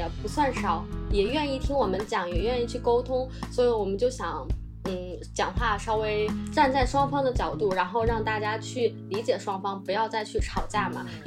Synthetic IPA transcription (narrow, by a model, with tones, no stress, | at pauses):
pu˧˥swa˥˩nʂɑ˨˩˦ʊjɛ˨˩ɥɛ˥˧ni˥˩t̪ʰi˥ŋwɔ˨˩mə˦nt͡ɕjɑ˨˥ŋjɛ˨˩ɥɛ˥˧ni˥˧t͡ɕʰy˥˩ko˥ʊt̪ʰʊ˥ŋswɔ˧˥i˧˥wɔ˨˩mə˦t͡ɕjo˥˩ʊɕjɑ˧˥˦ŋ | n̩˥˩t͡ɕjɑ˨˩ŋxwa˥˩ʂɑ˥ʊwe˥ɪʈ͡ʂa˥˧nt͡sa˥˩ɪʂwɑ˥ŋfɑ˥ŋd̪ə˨t͡ɕjɑ˨˩ʊt̪u˥˩ɻa˧˥nxo˥˧ʊɻɑ˥˧ŋt̪a˥˩t͡ɕja˥t͡ɕʰy˥˩li˧˥t͡ɕjɛ˨˩ʂwɑ˥ŋfɑ˥ŋpu˧˥jɑ˥˧ʊt͡sa˥˧ɪt͡ɕʰy˥˩ʈ͡ʂʰɑ˨˩ʊt͡ɕja˥˩mɐ˩